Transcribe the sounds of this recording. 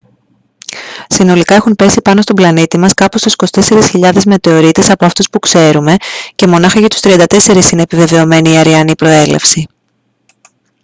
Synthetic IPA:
sino̞likɐe̞xumpe̞sipɐno̞st̪o̞blɐnit̪imɐskɐpost̪usi̥ko̞si̥t̪e̞se̞ɾisçiʎɐðe̞zme̞t̪e̞o̞ɾit̪esɐpo̞ɐft̪uspukse̞ɾume̞ce̞mo̞nɐxɐʝɐt̪u̥st̪ɾiɐnd̪ɐt̪e̞se̞ɾisineːpive̞ve̞o̞me̞niːɐɾiɐnipɾo̞e̞le̞̰fsi

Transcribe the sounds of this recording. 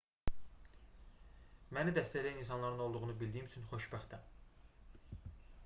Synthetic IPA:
mænid̪æst̪ælæjininsɑnlˠɑɾɯno̞lˠd̪uʁunubild̪ijimyt͡ʃʰynχo̞ʃbæxt̪æn

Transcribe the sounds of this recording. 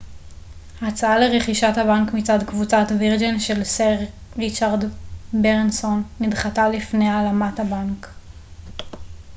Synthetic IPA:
hat͡saaleʁeχiʃathabankmit͡sadkvut͡satviʁd͡ʒenʃelseʁ | ʁit͡ʃaʁdbeʁnsonːidχatalifnealamathabank

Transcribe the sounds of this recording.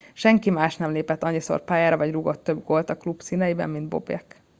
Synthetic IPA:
ʃɛŋkimaːʃnɛmleːpɛt̪ːɒɲːiso̞̰rpaːjaːɾɒvɒɟruɡo̞t̪ːø̞bɡo̞lt̪ɒklubsiːnɛjibɛ̰mːind̪bo̞̰bjɛ̰k

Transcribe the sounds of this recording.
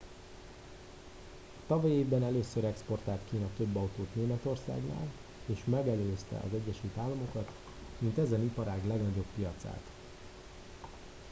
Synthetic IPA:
ɒt̪ɒvɒjeːbɛnɛløːsøɾɛkspo̞rt̪aːlt̪kiːnɒt̪ø̞bːɒwt̪oːt̪neːmɛt̪o̞rsa̰ːɡna̰ːl | eːʃmɛɡɛløːst̪ɛ̰ʔɒ̰zɛɟːɛʃylt̪aːlːɒmo̞kɒt̪ | mint̪ɛzɛnipɒɾaːɡlɛɡnɒɟo̞pːijɒt̪sa̰ːt̪

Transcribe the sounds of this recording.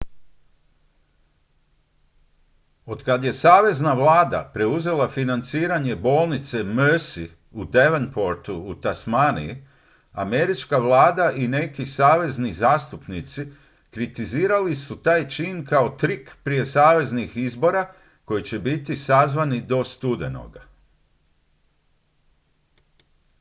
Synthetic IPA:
o̞d̪kad̪je̞saːʋe̞znaʋlˠaːd̪a̰pɾe̞uze̞lˠafinant̪siːɾaɲe̞bo̞ːlˠnit̪se̞møsi | ud̪eʋenpo̞ɾt̪uːt̪asmanḭi | ame̞ɾit͡ʃkaʋlˠaːd̪aʔine̞kisaːʋe̞znizaːst̪upnit̪si | kɾit̪iziːɾalisut̪aːjt͡ʃiːnkao̞t̪ɾikpɾije̞saːʋe̞znixizbo̞ɾa | ko̞jit͡ɕe̞bit̪isazʋanid̪o̞st̪ud̪e̞no̰ɡa̰

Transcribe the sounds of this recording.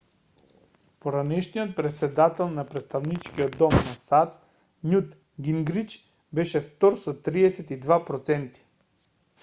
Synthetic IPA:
poɾanɛʃnijɔt̪̚pɾɛt̪sɛd̪at̪ɛlˠnapɾɛt̪st̪avnit͡ʃkiɔd̪ːɔmnasat̪ | nut̪ | ɡiŋɡɾit͡ʃ | bɛʃɛft̪ɔɾsɔt̪ɾiɛsɛt̪id̪vapɾɔt̪sɛnt̪i̥

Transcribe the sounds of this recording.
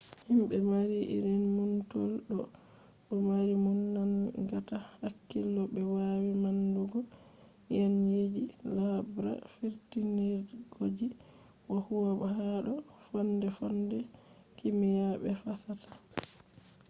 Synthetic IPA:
himbɛmaɾiʔḭɾinmuntɔlɗɔ | ɗɔmaɾimunːanŋɡatahakːilːɔbɛwawimanduɡɔ | jɛnjed͡ʒilabɾa̰fiɾtiniɾɡ̥od͡ʒi | wahuwabhaɗɔ | fɔndɛfɔndɛ | kimijaɓɛfasatʰḁ

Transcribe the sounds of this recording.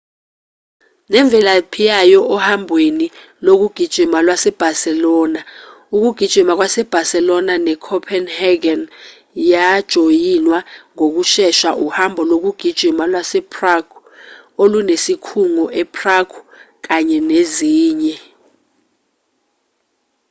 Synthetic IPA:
nɛɱvʱɛlapʰijajɔʔɔhambʱweni | lok̬uɡ̥ʱid̥ʒ̥ʱimalwasɛb̥ʱasɛlɔːna | uk̬uɡ̥ʱid̥ʒ̥ʱimak̬wasɛb̥ʱasɛlɔnanɛkʰɔpʰɛnhɛɡɛn | jad̥ʒ̥ʱojinwaŋok̬uʃɛʃaʔuhambʱɔlok̬uɡ̥ʱid̥ʒ̥ʱimalwasɛpʰʼraɡ̥u | olunesikʰuŋɔʔɛpʰraɡ̥ʰu | k̬aɲɛneziːɲɛ

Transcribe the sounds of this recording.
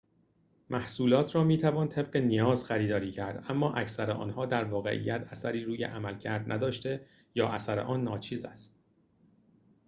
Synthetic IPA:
mʔæhsuːlɒːt̪ʰɾɒːmiːt̪ʰævɒːnt̪ʰe̞b̚ɢe̞nijɒːzxæɾiːd̪ɒːɾiːcʰæɾd̪æmːɒːʔæcsæɾeʔɒ̰ːnhɒːd̪æɾvɒːɣḛʔḭjːæt̪ʰæsæɾiːɾuːjḛʔæmælcʰæɾd̪næd̪ɒːʃt̪e̞ | jɒːʔæsæɾḛʔɒːnːɒːt͡ʃʰiːzæ̰st̪̚

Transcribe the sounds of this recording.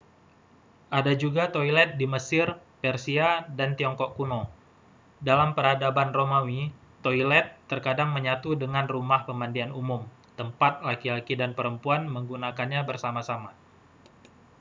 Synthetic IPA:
ʔadad͡ʒuɡat̪oilɛt̪̚diməsɪr | pɛrsiadant̪iɔŋkɔʔkuno | dalampəɾadabanromawi | t̪oilɛt̪ːərkadaŋməɲat̪udəŋanrumahpəmandianumʊm | t̪əmpat̪̚lakilakidanpəɾəmpuanməŋɡunakanɲabərsamasama

